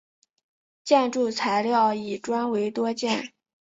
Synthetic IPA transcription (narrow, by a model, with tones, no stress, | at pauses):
t͡ɕjɛ˥˧nʈ͡ʂu˥˩t͡sʰa˧˥ɪljɑ˥˩ʊi˨˩ʈ͡ʂwa˥nwe˧˥ɪt̪wɔ˥t͡ɕjɛ˥˩n